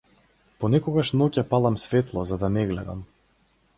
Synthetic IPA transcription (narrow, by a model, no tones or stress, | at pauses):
pɔnɛkɔɡaʃnɔcapalˠamsvɛt̪lˠɔzad̪anɛɡlɛd̪a̰m